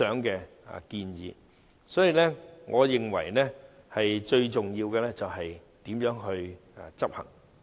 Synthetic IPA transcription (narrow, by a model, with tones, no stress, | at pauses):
œː˨˥ŋkɛː˧ | a̰˨kiː˧njiː˨˧ | sɔː˨˥jiː˨˧lɛː˥ŋʔɔː˨˧jɪ˨ŋwɐ̰˨˩jnɛː˥ | hɐ˨jt͡ʃɵ˧ɥt͡ʃʊ˨ŋjiː˧wkɛː˧lɛː˥t͡sɐ˨wɦɐ˨jt̪iː˨˥mjœː˨˥ŋɦɵ˧ɥ | t͡sɐ˥p̚hɐ̰˨˩ŋ